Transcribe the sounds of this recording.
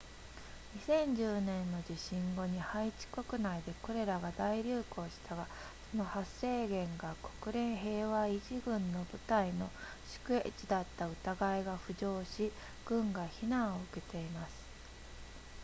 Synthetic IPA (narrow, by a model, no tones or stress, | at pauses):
ɲ̟isẽ̞ɲ̟d͡ʑɨːnẽ̞nːo̞d͡ʑiɕĩŋɡo̞ɲ̟ihait͡ɕi̥ko̞kɯ̟naid̪e̞ko̞ɾe̞ɾaɡad̪aiɾʲɯːko̞ːɕi̥t̪aɡa | so̞no̞hase̞ːɡẽ̞ŋɡako̞̥kɯ̟ɾẽ̞ɰ̃ɦe̞ːβaiʑiɡɯ̟̃nːo̞bɯ̟t̪aino̞ | ɕi̥kɯ̟ḛt͡ɕid̪at̪ːaɯ̟t̪aɡaiɡaɸɯ̟ʑo̞ːɕi | ɡ̥ɯ̟̃ŋɡaçinãɰ̃o̞ɯ̟ke̞t̪e̞imasɨ̥